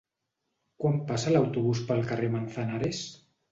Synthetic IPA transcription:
kwampasalawt̪uβuspəlˠkaremanθanaɾes

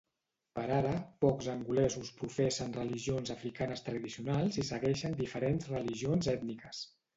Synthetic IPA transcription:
pəɾaɾəpɔkzəŋɡulɛzuspɾufɛsənrəliʒionzəfɾikanəst̪ɾəðisiunalˠzisəɣɛʃənd̪ifəɾenzrəliʒionzɛt̪nikəs

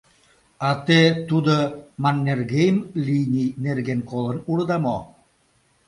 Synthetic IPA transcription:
ɑt̪et̪ud̪əmɑnʲːerɣejmlʲinʲijnerɡenkolˠə̆nuɽɤd̪ɑmo

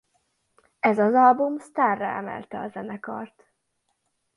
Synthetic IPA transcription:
ɛzɒzɒlbumst̪aːrːɒ̰ɛmɛ̰lt̪ɛɒzɛnɛkɒ̰rt̪

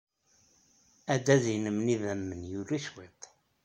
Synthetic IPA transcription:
æd̪æðinəmniðæmːənjʊɾiʃwet̪ˤ

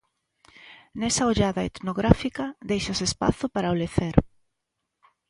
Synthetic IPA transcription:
nɛsaoʎaðɐḛt̪noɣɾafikɐðejʃɐsespa̰θʊpaɾaoleθeɾ

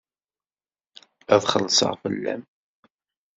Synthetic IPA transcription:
æðχəlːsˤə̰ʁfəlːæ̰m

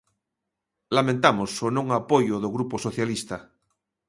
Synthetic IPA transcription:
lamẽnt̪amosonõŋapojoðoɣɾuposoθjalist̪a

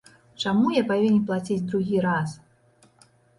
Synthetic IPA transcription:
t͡ʂamujapavʲinʲɛplˠat͡sʲid͡zʲd̪ɾuɣʲiɾas

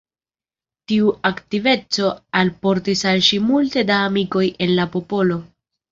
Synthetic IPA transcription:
tiuaktive̞t͡so̞alpo̞ɾtisalʃimulte̞daːmiko̞jʔe̞nlapo̞po̞lo̞

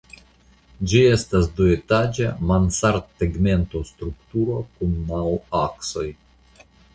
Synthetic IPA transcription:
d͡ʒie̞stasduetad͡ʒamansaɾtːeɡme̞nto̞st̪ɾukt̪uɾo̞kunːawakso̞j

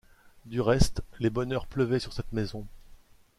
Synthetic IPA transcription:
d̪yʁɛst̪lebɔnœʁpləvɛsyʁsɛt̪mezɔ̃

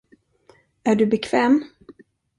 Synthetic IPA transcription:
æɖɵbɛkʰv̥ɛːm

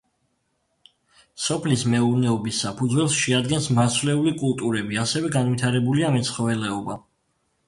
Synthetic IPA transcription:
sɔpʰlismɛuɾnɛɔbisːapʰud̪zwɛlˠsʃɛad̪ɡɛnsmasvlɛulikʼulˠt̪ʼuɾɛbiasɛvɛɡanvit̪ʰaɾɛbuliamɛt̪sʰχɔvɛlɛɔba

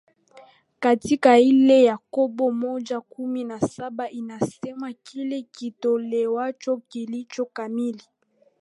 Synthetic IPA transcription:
katikailejakobomɔd͡ʒakuminasabaʔinasɛmakʰilekitolewat͡ʃokilit͡ʃokamili

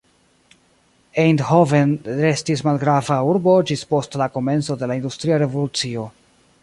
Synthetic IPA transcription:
ejndhovenɾe̞stis̬malɡɾavauɾbo̞d͡ʒispo̞stlako̞me̞nt͡so̞de̞laind̪ustɾiaɾe̞vo̞lut͡sio̞

